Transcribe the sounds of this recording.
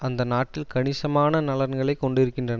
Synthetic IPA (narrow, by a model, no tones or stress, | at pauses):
ɐnd̪ɐnaːʈːɪlkɐɳɪsɐmaːnɐnɐlɐɾnɡɐɭɐɪkːɔɳɖɪɾɯkːɪndrɐnɐ